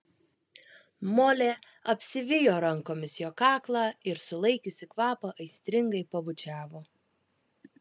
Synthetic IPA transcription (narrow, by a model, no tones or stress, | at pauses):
moːlʲeː | ɐpʲsʲɪʋʲɪjoːɾɐŋkoːmʲɪsjoːkɑːklˠɑːɪɾsʊlˠɐɪkʲʊsʲɪkʋɑːpɐʔɐɪsʲt̪ʲɾʲɪŋɡɐɪpɐbʊt͡ʃʲæːʋoː